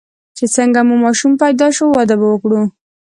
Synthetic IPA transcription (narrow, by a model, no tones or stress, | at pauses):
t͡ʃet͡səŋɡamumɑʃumpajd̪ɑʃowɑd̪abawəkɽu